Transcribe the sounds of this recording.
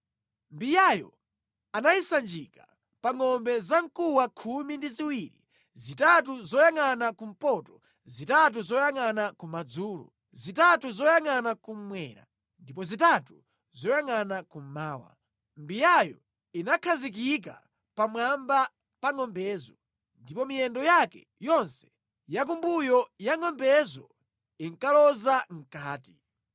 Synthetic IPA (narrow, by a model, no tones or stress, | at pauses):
mbijajɔ̰ | anaisand͡ʒika | paŋɔmbɛzaŋkuwakʰumindiziwiɾḭ | zitatuzɔjaŋanakum̩pɔtɔ̥ | zitatuzɔjaŋanakumad͡zuːlṵ | zitatuzɔjaŋanakum̩mwɛ̰ːɾa̰ | ndipɔzitatu | zɔjaŋanakum̩maːwa̰ | mbijajɔ | inakʰazik̬ika̰ | pamwamba | paŋɔmbɛːzɔ | ndipɔmijɛndɔjakɛ̰ | jɔnsɛ̥ | jak̬umbujɔjaŋɔmbɛzɔ | iŋkalɔzaŋ̩kaːti